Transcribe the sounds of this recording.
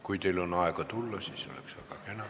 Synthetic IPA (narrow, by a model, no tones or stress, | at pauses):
kuit̪eilonɑˑekot̪ulːɑsiseo̰lḛksɑikɑkenɑ